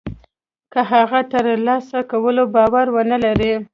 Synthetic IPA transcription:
kəɦaɣat̪əɾlɑsakawəlobɑwaɾwənalaɾi

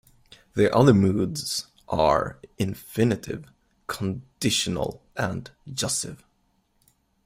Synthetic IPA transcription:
ðəʔʌðə˞muːdz̥ | ʔə̰ɹɪ̃ɱfɪnɨɾɪ̰v̥ | kʰn̩d̥ɪʃən̩l̩ˠʔə̃nd͡ʒʌstɪ̰v̥

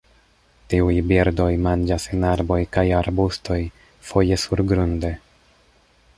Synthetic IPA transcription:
tiujbiɾdo̞jmand͡ʒasenaɾbo̞jkajaɾbusto̞j | fo̞je̞suɾɡɾunde̞

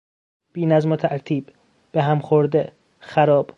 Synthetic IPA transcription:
b̥iːnæzmot̪ʰæɾt̪ʰiːb | b̥eɦæmxoɾd̪e | xæɾɒːb̥

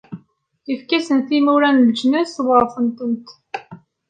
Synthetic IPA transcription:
ifkæsənθimuɾænləd͡ʒnæswəɾˤfənt̪ənt̪

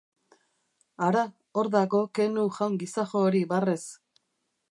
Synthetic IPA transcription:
aɾa | oɾðaɣo̞ke̞nuʝawŋɡisaxo̞ːɾiβares

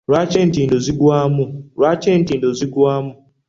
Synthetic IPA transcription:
ɾat͡ʃen̩tin̩doziɡuamʊɾwat͡ʃen̩tin̩doziɡuamʊ

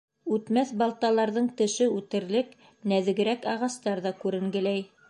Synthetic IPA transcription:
ʉt̪mæθbɑlˠt̪ɑlˠɑɾðɤɴt̪ɘ̆ʃɘʉt̪ɘ̆ɾlɘk | næðɘ̆ɡɘ̆ɾækɑʁɑst̪ɑɾðɑkʉɾɘ̆ŋɡɘ̆læj

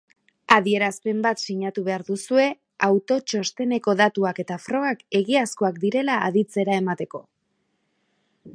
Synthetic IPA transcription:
aðie̞ɾaspe̞mbat̪siɲat̪uβe̞aɾðusue̞ | awt̪o̞t͡ʃo̞st̪e̞ne̞ko̞ðat̪uake̞t̪afɾo̞ɣake̞ɣiasko̞akd̪iɾe̞la̰ːðit͡se̞ɾae̞mat̪e̞ko̞

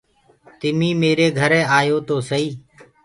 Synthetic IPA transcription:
t̪ɪmĩːmeːɾeːɡʱəɾeːaːjoːt̪oːsəiː

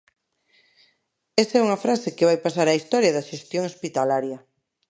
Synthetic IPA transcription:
esaɛuŋɐfɾasekeβajpasaɾaist̪ɔɾjɐðɐʃest̪joŋospit̪alaɾjɐ

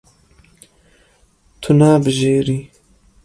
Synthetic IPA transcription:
t̪ʰunaːbəʒeːɾi

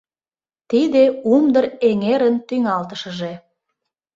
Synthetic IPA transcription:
t̪id̪eumd̪əɾeŋeɾənt̪yŋɑlt̪əʃəʒe

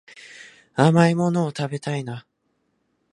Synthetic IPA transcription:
amaimo̞no̞ːt̪abe̞t̪aina

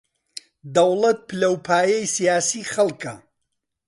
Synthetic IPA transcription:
d̪ɐwlˠɐt̪̚pʰɨlɐwpʰaːjɐjsijaːsiːχɐlˠkɐ

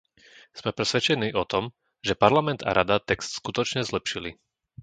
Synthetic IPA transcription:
z̥mɛpɾɛsʋɛt͡ʃɛniːʔɔt̪ɔm | ʒɛpaɾlamɛnd̪a̰ɾad̪at̪ɛkst̪skut̪ɔt͡ʃɲɛzlɛpʃili

